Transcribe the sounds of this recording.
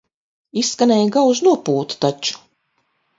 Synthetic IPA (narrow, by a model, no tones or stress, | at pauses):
isːkanɛjɡawznuɔpuːt̪t̪at͡ʃu̥